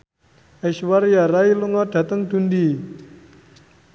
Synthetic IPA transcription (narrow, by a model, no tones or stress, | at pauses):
ɛʃwaɾjaɾailuŋɔɖ̥a̤t̪əŋd̥ṳndi